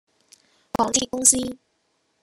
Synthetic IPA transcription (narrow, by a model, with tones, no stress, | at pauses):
kwɑ˨˥ŋt̪i˥˩kʊ˥ŋsi˦